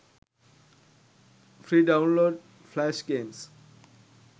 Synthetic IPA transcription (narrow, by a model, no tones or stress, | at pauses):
fɾiːɖãʊ̃nloːɖ | flæʃɡẽːms